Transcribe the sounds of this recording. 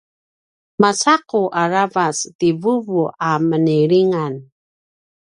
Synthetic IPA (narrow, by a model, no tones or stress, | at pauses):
masaquʔaɾavastivuvuʔaməniɾiŋan